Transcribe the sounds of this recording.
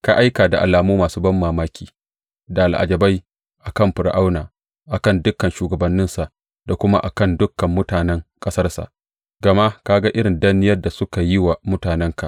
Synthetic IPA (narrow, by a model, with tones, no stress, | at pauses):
ka˦˨ʔa˦jkaː˨da˨ʔa˨laː˨muː˦maː˨suː˦bɐ˦mːaː˨maː˦kʲʰiː˨ | da˨lʔa̰˨d͡ʒɐ˨ba˦j | ʔa˨kɐ˦˨mɸɪ˨ɾʔa˦wnaː˨ | ʔa˨kɐ˦˨ndʊ˦kːɐ˨nʃuː˨ɡɐ˨bɐ˨nːɪ˦nsa˨ʔ | da˨kʷʊ˦ma̰˦ʔa̰˨kɐ˦˨ndʊ˦kːɐ˨mːʊ˦taː˨nɛ˦ŋkʼɐ˦sɐ˦rsa̰˨ʔ | ɡɐ˨ma˦kaː˦ɡa˦ʔɪ˦ɽɪ˨nda˦nɪ˦jɐ˦rda˨sʊ˦ka˨jɪ˦wa˨mʊ˦taː˨nɛ˦ŋka˨ʔ